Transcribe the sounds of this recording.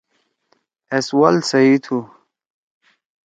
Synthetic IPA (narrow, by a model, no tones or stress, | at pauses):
eswalsɐit̪ʰu